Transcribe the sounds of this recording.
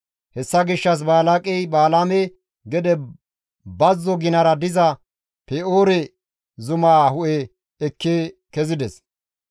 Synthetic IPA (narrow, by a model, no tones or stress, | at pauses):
hɛsːɐɡɪʃːɐs̬baːlakʼɛjbaːlamɛ | ɡɛd̪ɛ | bɐzːɔɡɪnɐɾɐd̪ɪzɐ | pɛoːɾɛ | zʊmaːhʊʔɛ | ɛkːeːkɛzɪd̪ɛs